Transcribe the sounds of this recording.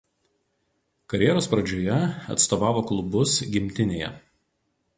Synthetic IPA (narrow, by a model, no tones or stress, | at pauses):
kɐɾʲjɛɾoːspɾɐd͡ʒʲoːjɛɐ̰t̪st̪oːʋɑːʋoːklˠʊbʊsɡʲɪmʲt̪ʲɪnʲeːjɛ̰